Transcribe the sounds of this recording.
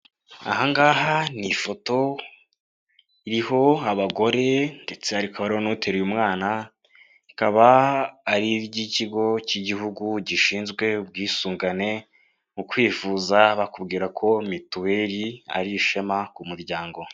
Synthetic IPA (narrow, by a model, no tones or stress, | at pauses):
a̰haŋɡaːhanifo̞to̞ | iɾiɦo̞aβaɡo̞ɾe̞nde̞t͡se̞aɾikaβaɾionutʰe̞ɾujumŋaːna | ikaβaː | ɾiɾɟiciɡo̞ciɟiɦuɡuɟiʃiːnzɡwe̞ub̚ɡiːsuːŋɡane̞ | mukwiːfuːzaβakubɡiːɾakʰo̞mituwe̞ːɾia̰ɾiʃe̞makumuɾɟaːŋɡo̞